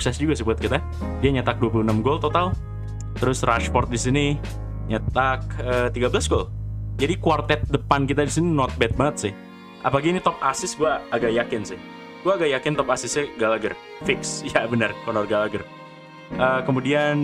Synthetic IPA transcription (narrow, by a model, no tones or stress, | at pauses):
uksɛsd͡ʒuɡasibuət̪kit̪a | diaɲat̪ak̚duap̬uluənamɡɔlt̪ot̪al | t̪əɾʊsraʃpɔrt̪̚disini | ɲat̪ak̚ət̪iɡabəlasɡold͡ʒadikuart̪ɛt̪̚dəpankit̪adisininɔt̪̚bɛt̪̚baŋət̪̚sɪh | ʔa̰palaɡinit̪ɔp̚asɪsɡuaːɡaʔjakɪnsɪh | ɡuaɡaʔjakɪnt̪ɔpasɪsɛɡalaɡər | fɪksjabənərkɔnɔrɡalaɡər | ʔəkəmudian